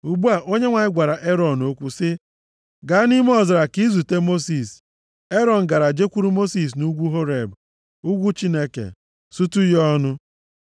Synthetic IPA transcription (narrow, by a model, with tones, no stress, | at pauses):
u˨ɡ͡bu˦a˨ʔo˦ɲe˦ŋʷa˨ɲɪ˦ɡʷa˨ɾa˨ʔe˦ɾɔ˨no˦kʷu˦sɪ˦ | ɡa˨˦ni˦m˦ɔ˦˨zɪ˨ɾa˨ki˦zu˨te˦mo˦si˨s | e˦ɾɔ˨n̩˨ɡa˨ɾa˨d͡ʒe˦kʷu˦ɾu˦mo˦si˨s̬nu˦ɡʷu˦ɦo˦ɾe˨b | u˦ɡʷu˦t͡ʃi˦ne˦kḛ˨ | su˦tu˦jɔ˦nʊ˦